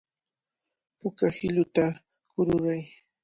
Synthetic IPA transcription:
pʊkahɪlʊt̪a | kʊɾʊɾaj

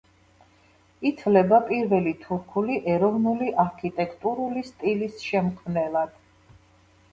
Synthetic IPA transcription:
it̪ʰlɛbapʼiɾvɛlit̪ʰuɾkʰuliʔɛɾɔvnuliʔaɾkʰit̪ʼɛkʰʼt̪ʼuɾulist̪ʼilisʃɛmkʰmnɛlˠad̪̥

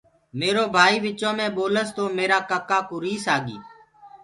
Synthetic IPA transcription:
meːɾoːbʱaːiːʋɪt͡ʃõːmẽːɓoːləst̪oːmeːɾaːkəkaːkʊɾiːsaːɡḭː

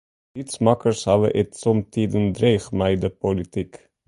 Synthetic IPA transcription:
litsmɑkərshɑvə̰ʔɛtsɔmt̪iːdənd̪ɾeχmɛjdəpolit̪ik

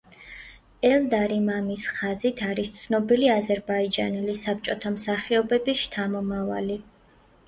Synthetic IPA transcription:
ɛld̪aɾimamisχazit̪ʰaɾist̪sʰnɔbiliazɛɾbaid͡ʒa̰nɛlisap̚t͡ʃʼɔt̪ʰamsaχiɔbɛbist͡ʃʰamɔmavali

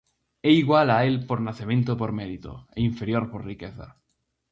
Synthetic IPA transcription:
eiɣwalaelpoɾnaθemẽnt̪opoɾmeðit̪o̰eiɱfeɾjoɾporrikeθa̰

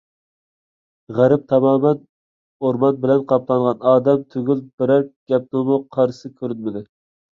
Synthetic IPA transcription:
ʁæɾɪp̚t̪ʰɑmɑːmɛn | oɾmɑnbɪlɛnqʰɑp̚lˠɑnʁɑnɑːd̪ɛmt̪ʰøɡʲylbɪɾæɾk̚ɡ̥ʲɛp̚d̪omʊqʰɑɾsɨkʲʰøɾynmɪd̪ɪ

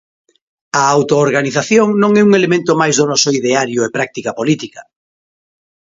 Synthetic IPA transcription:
ɐawt̪oːɾɣaniθaθjoŋnõŋɛuŋelemẽnt̪omajzðonɔsoiðeaɾjoepɾak̚t̪ikɐpolit̪ikɐ

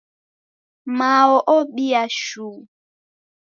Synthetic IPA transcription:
mawɔʔɔɓiaʃuː

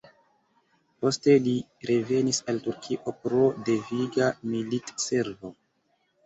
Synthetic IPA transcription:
po̞ste̞li | ɾe̞ve̞nisaltuɾkʰiʔo̞pɾo̞de̞viɡamilitse̞ɾvo̞

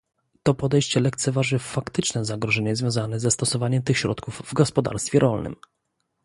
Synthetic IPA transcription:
t̪ɔpɔd̪ɛjɕt͡ɕɛlɛkt̪sɛvaʐɘfakt̪ɘt͡ʂnɛzaɡɾɔʐɛɲɛzvʲjɔ̃zanɛzɛst̪ɔsɔvaɲɛmt̪ɘxɕɾɔ̰t̪kuvːɡɔspɔd̪a̰ɾst̪fʲjɛɾʔɔlnɘ̰m

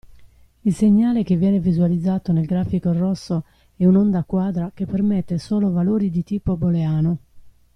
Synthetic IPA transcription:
ilseɲːaːlekevːjɛːnevizualid̪zːaːt̪onelɡɾaːfikorɔsːo | ɛunond̪akːwaːd̪ɾakepːermɛt̪ːesoːlovaloːɾid̪it̪iːpoboleaːno

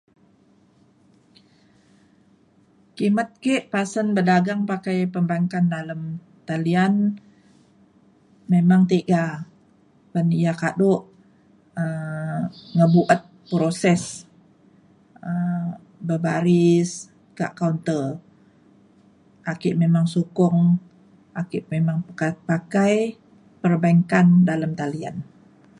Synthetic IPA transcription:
kimat̪̚keʔpasənbədaɡaŋpakajpəmbaŋkandaləm | t̪alian | memaŋt̪eɡa | pənijakadoʔ | ə | ŋəbuʔət̪̚pɾosɛs | ə | bəbaɾis | ka̰ʔkawnt̪ə | akɪʔmemaŋsukʊŋ | akɪʔmemaŋpakaj | pərbaŋkandaləmt̪alia̰n

